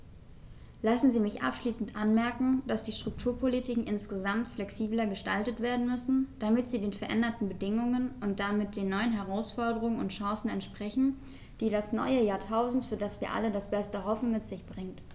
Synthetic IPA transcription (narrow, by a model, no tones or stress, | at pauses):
lasn̩ziːmɪçʔa̰pʃliːsn̩tʔanmɛɐkŋ̩d̥asd̥iːʃtʁ̥ʊk̚tʰuːɐpʰolitʰiːkŋ̩ʔɪnsɡ̥əzamtflɛksiːblɐɡəʃtaltətv̥eːɐdn̩mʏsn̩d̥amɪtz̥iːdeːnfɛɐʔɛndɐtn̩bədɪŋʊŋənʊnt̚d̥amɪt̚d̥eːnːɔʏənɦɛʁ̞aʊsfɔɐdəʁ̞ʊŋənʊntʃɑ̃sn̩ɛntʃpʁ̥ɛçn̩ | d̥iːɾasnɔ̰ʏəjaːɐtʰaʊzn̩tfyːɐdasv̥iːɐʔa̰lədasb̥ɛstəɦɔfn̩mɪtz̥ɪçb̥ʁɪŋt